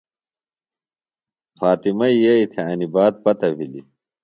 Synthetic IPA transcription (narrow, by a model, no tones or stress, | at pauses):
faːt̪imɐijɐit̪ʰeɐnibaːd̪̚pɐt̪ɐbʱilḭ